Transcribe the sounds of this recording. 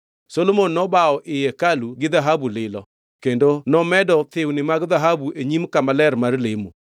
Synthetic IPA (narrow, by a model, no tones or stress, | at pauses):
solomonːɔbaɔʔɪjɛkaluɡɪðaɦabulɪlɔ̰ | kendonɔmɛdɔt̪ɪwnɪmaɡðaɦabuʔeɲimkamalɛɾmarlɪmu